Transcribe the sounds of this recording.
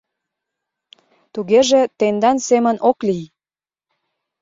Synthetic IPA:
t̪uɣeʒet̪end̪ɑnsemə̆nʔoklij

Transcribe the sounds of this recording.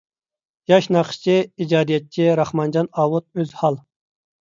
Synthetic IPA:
jɑʃnɑχə̥ʃt͡ʃʰiid͡ʒɑːd̪ijɛt̪̚t͡ʃʰiɾɑχmɑnd͡ʒɑnɑːwut̪̚øzhɑlˠ

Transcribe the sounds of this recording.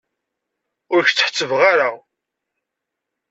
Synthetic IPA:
ʊɾçt͡sːħt͡sːəvʁaɾa

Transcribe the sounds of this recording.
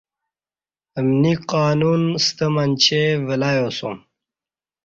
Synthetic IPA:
əmniqaːnunst̪əmant͡ɕʰevəlaːjosṵm

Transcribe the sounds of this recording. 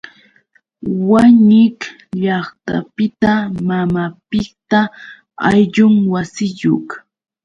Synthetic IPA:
waɲɪk | ʎɑχt̪a̰pɪt̪amamapɪk̚t̪a | a̰jʎʊŋwasɪjok

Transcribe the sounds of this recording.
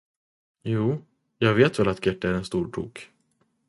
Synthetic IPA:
juː | jɑːɡveːt̪vɛlat̪ɡʰɛʈːəæɾɛnst̪uːɾʈʰṵːk

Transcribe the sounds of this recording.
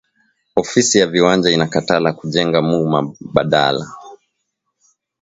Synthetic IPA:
ɔfisijaviwand͡ʒainakatalakuʄɛŋɡamuma̰ɓaɗa̰la̰

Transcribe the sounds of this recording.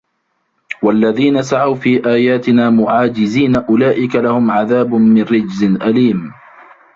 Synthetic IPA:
walːaðiːnasaʕawfiːʔaːjaːt̪ɪnaːmʊʕaːd͡ʒɪziːnaʔʊlaːʔɪkalahʊmʕaðaːbʊmɪnɾɪd͡ʒzɪnʔaliːm

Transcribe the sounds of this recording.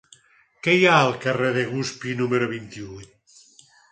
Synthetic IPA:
kejaəlˠkareðeɣuspinumeɾoβint̪iujt̪

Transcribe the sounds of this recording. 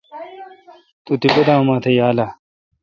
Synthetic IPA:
t̪ut̪ipɐd̪aːmaːt̪ʰejaːla

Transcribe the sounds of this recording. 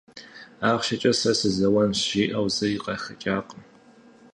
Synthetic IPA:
aːχʷʃɐt͡ʃʼɐsɐsɨzɐwɐnɕiːʔɐwzɐiqɐxɐt͡ʃʼaːqʼəm

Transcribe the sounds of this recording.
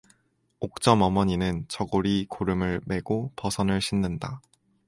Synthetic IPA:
ok̚t͡ɕ͈ʌmʌmʌɲinɯnt͡ɕʌɡoɾikoɾɯmɯɭme̞ɡopʌsʰʌnɯɭɕʰinːɯnda

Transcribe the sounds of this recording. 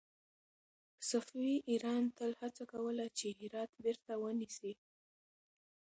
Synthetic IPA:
safwiʔiɾɑnt̪əlhat͡sakawəlat͡ʃehɪɾɑt̪beɾt̪awənisi

